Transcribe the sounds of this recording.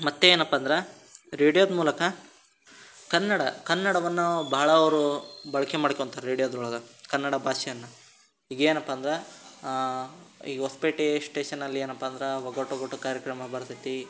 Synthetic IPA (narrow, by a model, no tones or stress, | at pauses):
mɐt̪ːeeːnɐpːaːnd̪ɐɾe | ɾeːɽijoːd̪muːlɐkɐ | kɐnːɐɽɐkɐnːɐɽɐʋɐnːubɐaːɭɐɐʋɾubɐɭɐkemaːɽkont̪ʰɐɾeːɽijod̪uɭɐɡɐkɐnːɐɽɐbʱaːʃɛjɐnːɐ | iɡeːnɐpːaːnd̪ɾe | iːɡɦoːspiʈisʈeːʃɐnːɐlːieːnɐpːaːnd̪ɐɾeʋɐɡoʈːɐɡoʈːukaːɾjɐkɾɐmɐbɐɾt̪it̪i